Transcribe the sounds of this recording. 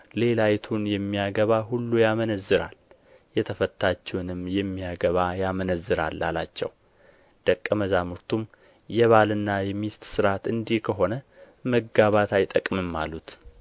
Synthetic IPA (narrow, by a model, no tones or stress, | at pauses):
le̞lajt̪ʰunjɛmːijaɡəβaɦulːujamənəzːɨɾa̰l | jɛt̪ʰəfət̪ʰːat͡ʃːɛwnɨmjɛmːijaɡəβajamənəzːɨɾa̰lːa̰lat͡ʃːɛ̰w | d̪̥əkʼːəməzamuɾt̪ʰum | jɛβalɨnːajɛmist̪sɨɾat̪ɨnd̪ihkʰəɦo̞nə | məɡaβat̪ʰajt̪ʼəkʼmɨmːa̰lut̪